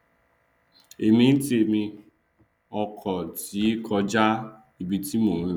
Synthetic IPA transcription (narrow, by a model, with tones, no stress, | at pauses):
e˨mi˦n̩˦ti˦e˨mi˧ | ɔ˦kʰɔ˨ti˨˦kʰɔ˧d͡ʒa˦ | i˨bi˨ti˦mu˨ŋu˦